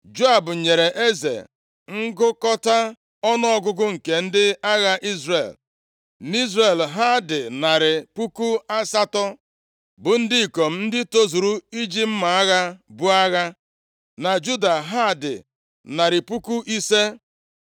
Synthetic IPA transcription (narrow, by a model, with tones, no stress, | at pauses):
d͡ʒo˦a˨bʊ˨ɲe˨ɾe˨ʔe˦zḛ˨ | ŋ̩˦ɡʊ˦kɔ˦ta˦ | ɔ˦nɔ˦ɔ˦ɡʊ˦ɡʊ˦ŋ̩˨ke˨n̩˦dɪ˦a˦ɣa˦ʔi˦zre˨l | n˦i˦zɾe˨lɦa˦dɪ˨na˨ɾɪ˨pu˦ku˦a˦sa˦tɔ˦ | bʊ˨n̩˦dɪ˦i˨ko˨m̩˦n̩˦dɪ˦to˦zu˨ɾu˦i˦d͡ʒi˦m̩˦ma˨a˦ɣa˦bʊ˦a˦ɣa˦ | na˨d͡ʒu˦da˨ɦa˦˨dɪ̰˨ | na˨ɾɪ˨pu˦ku˦ʔi˦se˦